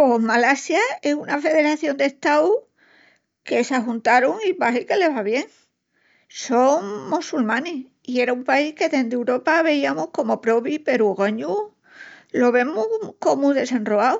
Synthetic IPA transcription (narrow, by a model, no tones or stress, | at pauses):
omalasjae̞sunafe̞ðe̞ɾaθjo̞nd̪e̞ht̪awu | ke̞saɦunt̪aɾuŋiβaɦike̞le̞βaβje̞ŋ | so̞ŋmusulmãne | ie̞ɾaumpaihke̞ðend̪ewɾo̞paβe̞iamohko̞mo̞pɾo̞βipe̞ɾuɣaɲu | lo̞βe̞muko̞mũðe̞se̞nroaw